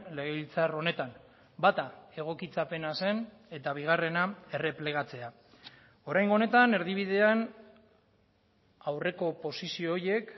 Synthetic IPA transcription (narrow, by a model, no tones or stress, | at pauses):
leɣeilt͡saro̞ne̞t̪an | bat̪ae̞ɣ̞o̞kit͡sape̞nase̞ne̞t̪aβ̞iɣare̞nae̞re̞ple̞ɣ̞at͡se̞a | o̞ɾajŋɡone̞t̪ane̞ɾðiβ̞iðe̞an | awre̞ko̞po̞sisio̞ːje̞k